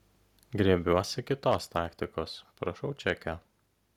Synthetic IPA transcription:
ɡɾʲiɛbʲuɔsʲɪkʲɪt̪oːst̪ɑːkt̪ʲɪkoːspɾɐʃɐʊt͡ʃʲɛkʲɛ

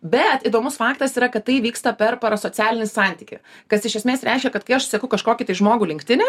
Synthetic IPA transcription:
bʲɛt̪id̪oːmʊsfɑːkt̪ɐsiːɾɐkɐt̪t̪ːɐɪʋʲiːkst̪ɐpʲɛɾpɐɾɐsoːsʲæːlʲɪnʲɪsɑnʲt̪ʲiːkʲɪ̰ | kɐsɪʃʲɛsʲmʲeːsɾʲʔɛɪʃʲkʲɛkɐt̪̚kɐɪɐʃsɐkɐʊkɐʃkoːkʲɪt̪ɐɪʒmoːɡʊːlʲɪŋkʲt̪ʲɪnʲɛ

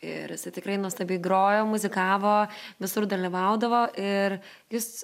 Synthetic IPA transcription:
ɪ̰ɾjɪsɐɪt̪ʲɪkɾɐɪnuɔst̪ɐbʲiɪɡɾoːjoːmʊzʲɪkɑːʋoːʋʲɪsʊrd̪ɐlʲiʋɐʊd̪ɐʋoːʔɪr | jʊs

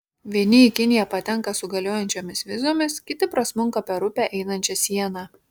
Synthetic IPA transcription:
ʋʲiɛnʲɪikʲɪnʲɪjɛpɐt̪ʲɛŋˑkɐsʊɡɐlʲoːjɛnʲt͡ʃʲoːmʲɪsʋʲɪzoːmʲɪskʲɪt̪ʲɪpɾɐsmʊŋˑkɐpʲɛɾʊpʲæʔɛɪnɐnʲt͡ʃʲɛsʲiɛnɑ

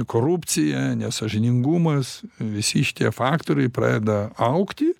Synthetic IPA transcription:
koːɾupʲt͡s̪ʲɪjɛnʲɛsɐʒʲɪnʲɪŋɡumɐsʋʲɪsʲɪʃʲɪ̥t̪ʲiɛfɑːkt̪oːɾʲɛɪpɾɑ̰ːdʲɛd̪ɐɐʊkt̪ʲɪ

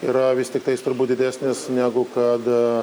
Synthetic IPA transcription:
iːɾɐʋʲɪsʲt̪ʲɪkt̪ɐɪst̪ʊɾbuːt̪̚ʲd̪ʲɪd̪ʲæːsʲnʲɪsnʲæːɡʊkɐt̪

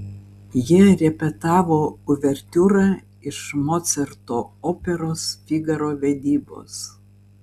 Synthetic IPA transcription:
jiɛɾʲɛpʲɛt̪ɑːʋoːʊʋʲɛɾʲt̪ʲuːɾɑ | ɪʃmɔt̪sʲɛɾt̪oːoːpʲɛɾoːsfʲiɡɐɾoːʋʲɛd̪ʲiːbo̰ːs

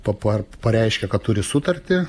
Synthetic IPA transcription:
pɐpɐpɐɾʲɛɪʃʲkʲɛkɐt̪t̪ʊɾʲɪsʊt̪ɐrʲt̪ʲɪ

